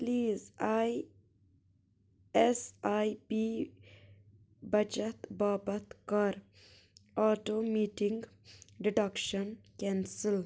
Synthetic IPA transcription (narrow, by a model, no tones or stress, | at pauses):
pliːzaj | esajpi | bɐt͡ʃɐt̪baːbɐt̪kɐɾ | ɔːʈoːmiːʈɪ̃ŋɡ | ɖɪɖɐkʃənkɛ̃ːnsɪl